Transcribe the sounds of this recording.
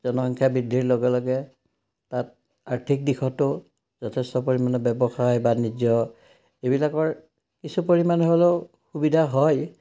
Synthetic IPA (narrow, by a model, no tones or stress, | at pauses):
zɔnɔɦɔŋkʰjabidʱːiɹloɡɛlɔɡɛ | tat̚ | aɹtʰik̚dixʰɔtʊ | zɔtʰɛstɔpoɹimanɔbɛbɔxajbanid͡ʒjɔ | ebilakɔɹ | kisupoɹimanɔɦole | xubidʱaɦɔj